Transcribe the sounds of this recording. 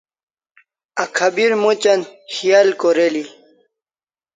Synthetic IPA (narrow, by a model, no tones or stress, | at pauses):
akʰabiɾmut͡ɕanxijalkoɾeli